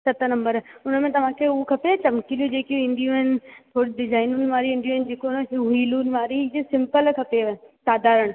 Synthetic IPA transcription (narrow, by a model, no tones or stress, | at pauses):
sɐt̪ʰənɐ̃mbəɾʊnə̆mẽt̪ɐʋ̤ãkʰeukʰɐpet͡ɕɐmkilijũd͡ʑeːkijũɪ̃nd̪ijũɦɪnɪ̆t̪ʰoːɽiɖɪzaːɪnuːnɪ̆maːɾiuɪ̃nd̪iũːɦɪnɪ̆d͡ʑeːkonɦɦiːlunɪ̆maːɾiesɪ̃mpəlkʰɐpesaːd̪ʱaːɾəɽ̃̆